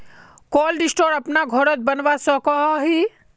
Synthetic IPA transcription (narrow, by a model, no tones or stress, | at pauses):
kɔːlɖɪsʈoːɾɐpnaɡʱɔɾət̪̚bɐnʋasɔkɔɦɔɦi